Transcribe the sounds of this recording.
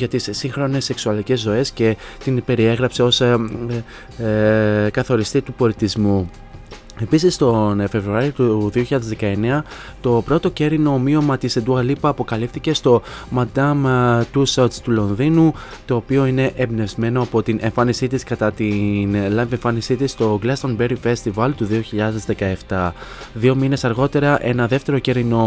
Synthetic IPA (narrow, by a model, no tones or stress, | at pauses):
ʝɐt̪isːiŋxɾo̞ne̞se̞ksuɐlice̞zːo̞e̞sce̞t̪inpe̞ɾie̞ɣɾɐpse̞o̞s | kɐθo̞ɾist̪it̪upo̞lit̪izmu | e̞pisist̪o̞nfe̞vɾuɐɾiot̪uðioçiʎɐðe̞zðe̞kɐe̞ne̞ɐ | t̪o̞pɾo̞t̪o̞ce̞ɾino̞mio̞mɐt̪ised̪uɐlipɐːpo̞kɐlifθice̞st̪o̞mɐd̪ɐmt̪usost̪ulo̞nðinu | t̪o̞ːpio̞ine̞ʔembne̞vzme̞noɐpo̞t̪inʔe̞ɱfɐnisit̪iskɐt̪ɐt̪inlɐnveɱfɐnisit̪ist̪o̞ɡlɐst̪onbeɾife̞st̪ivɐlt̪uðio̞çiʎɐðe̞zðe̞kɐe̞ft̪ɐðio̞mine̞sɐɾɣo̞t̪e̞ɾɐʔe̞nɐðe̞ft̪e̞ɾo̞ce̞ɾino̞